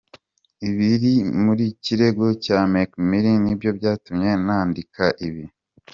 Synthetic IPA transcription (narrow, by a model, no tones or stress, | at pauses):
iβiɾimuɾiciɾe̞ɡo̞camekmiɾinibjo̞bɟaːtumɲe̞naːndikaʔiβi